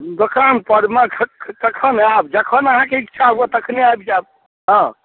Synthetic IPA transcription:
d̪okanpəɽmãkʰt̪əkʰənabd͡ʒəkʰənəɦãkeik̚t͡ʃʰaɦuat̪əkʰneajbd͡ʒab̚ | ɦɔ̃

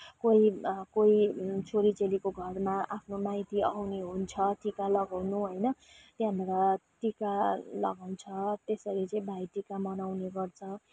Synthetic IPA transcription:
koikoit͡sʰoɾit͡selikoɡʱʌrmaʔapʰnomajt̪ia̰wneɦunt͡sʰʌʈikalʌɡawnuɦʌjnʌ | t̪jãɦnɾʌʈikalʌ̰ɡawnt͡sʰʌt̪esʌɾit͡sʌĩbʱajʈikamʌnawneɡʌrt͡sʰʌ

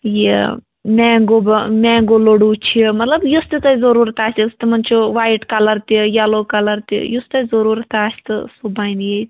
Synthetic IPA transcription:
je | mʲɛːŋɡobmʲɛːŋɡoloɽuːt͡ʃʰimɐt̪lɐbjust̪it̪ɐzɐɾuːɾt̪aːsʲt̪ist̪imɐnʲt͡ʃʰuʋaːjʈkɐlɐɾt̪ijaloːkɐlɐɾt̪ḭjust̪ɐzɐɾuːɾt̪aːsʲt̪ɨsubaːnjet̪ʲ

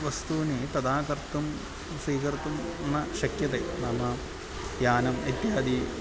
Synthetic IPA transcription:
ʋɐst̪uːnit̪ɐd̪aːkɐɾt̪ːum | sʋiːkɐɾt̪unnːɐʃɐkjɐt̪enɐmɐ | jaːnɐmɐt̪jaːd̪i

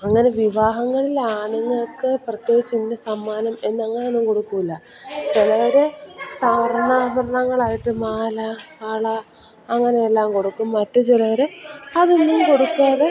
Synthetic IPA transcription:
ɐŋːɐne̞ʋiʋaːɦɐŋːɐɭilaːɳuŋːɐɭokːeprɐk̪ːet͡ɕːinːɐsɐmːaːnɐme̞nːɐŋːɐneonːumko̞ɽukːuilːɐ | t͡ɕilɐʋɐɾesɐʋɐɾɐɳaːbʱɐɾɐɳɐŋːɐɭaːjiʈːɨmaːlɐɐɭɐː | ŋːɐnejelːaːmko̞ɽukːumːɐtːut͡ɕilɐʋɐɾeɐðonːumko̞ɽukːaːðe

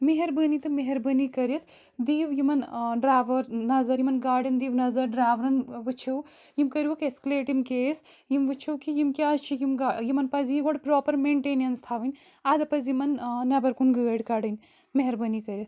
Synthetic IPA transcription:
meɦɐɾbənit̪ɨmeɦɐɾbɐnikɐɾjɐt̪ʰ | d̪iːʋjimɐnɖɾaːʋɐɾnɐzɐɾjimɐnɡaːɖɐnd̪iːʋnɐzɐɾɖɾaːʋɾɐnʋɨt͡ʃʰɐw | jimkɐɾʲjiʋɐkeskɐleːʈjimkeːs | jimʋɨt͡ʃʰɐwkijimkʲaːzt͡ʃʰijimɡajimɐnpɐzjiɡoɽpɾoːpɐɾmeːɳʈeːnijɐnst̪ʰaːʋɨnʲad̪ɐpɐzjimɐnnɐbɐɾkunɡəːɽkaɽɨnʲ | meɦɐɾbɐnikɐɾʲɐt̪̚ʰ

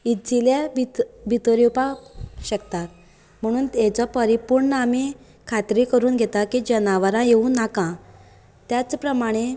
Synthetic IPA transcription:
id͡zilabbʱit̪əɾiupaɕəkt̪at̪ | m̤əɽ̃uːnt̪et͡sɔpəɾipuɾɳnəami | kʰat̪ɾikəɾuːnɡʱet̪akid͡ʑənaʋəɾãjeũnakã | t̪jat͡spɾəmaɽ̃e

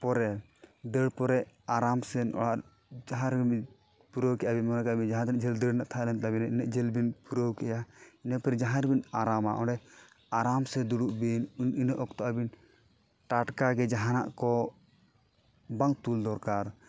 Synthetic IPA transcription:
pɔɾɛ | d̪əɽpɔɾɛaɾamsɛnɔ̰ɽaʔ | d͡ʒaɦãɾi | puɾowkɛʔabinmɔnakbind͡ʒaɦãd̪nɛʔd͡ʒɛld̪əɽnaʔt̪ʰalɛnt̪abinɛʔinɛʔd͡ʒɛlbinpuɾowkɛjainəpɛɾɛd͡ʒaɦãɾbinaɾamaʔɔ̰ɖɛ | aɾamsɛd̪uɽuʔbinninəʔɔkt̪ɔʔabin | ʈaʈkaɡɛd͡ʒaɦana̰ʔkɔ | baŋt̪uld̪ɔɾkaɾ

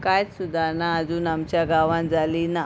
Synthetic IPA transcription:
kajsud̪ʱanaəd͡zuːnamt͡ɕjaɡaʋãnd͡zalina

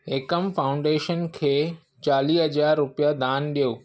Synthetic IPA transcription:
ɪkəmfaːʊ̃ɳɖeːʃənkʰeː | t͡ɕaːliːɦɐd͡ʑaːɾːʊpijad̪aːnɗijoː

